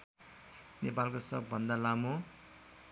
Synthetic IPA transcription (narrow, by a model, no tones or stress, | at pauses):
nepalkosʌ̰bːʌnd̪alamo